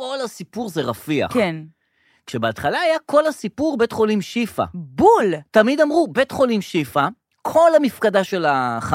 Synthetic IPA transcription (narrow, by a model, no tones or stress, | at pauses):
kolasipuʁzeʁafia̰χken | kʃebeat̪χalaːjakʰo̞lasipuʁbe̞tχo̞limʃifa̰bultamid̪amʁube̞tχo̞limʃifa | kʰo̞lamifkadaʃe̞laχa